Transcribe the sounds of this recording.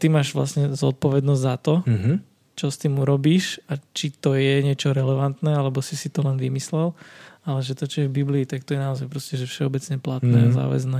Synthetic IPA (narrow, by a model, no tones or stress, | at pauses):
t̪imaːʒʋla̰sɲɛzɔ̰t̪̚pɔʋɛd̪nɔzɟzat̪ɔ | t͡ʃɔst̪iːmuɾɔbiːʃat͡ʃit̪ɔjɛɲɪɛt͡ʃɔɾɛlɛʋant̪nɛalɛbɔsisit̪ɔlɛnʋimislɛlalɛʒɛt̪ɔt͡ʃɔjɛvbibliːt̪ak̚t̪ɔjɛnaɔzajpɾɔscɛʒɛfʃɛɔbɛt͡sɲɛplat̪nɛːaza̰ːʋɛ̰znɛː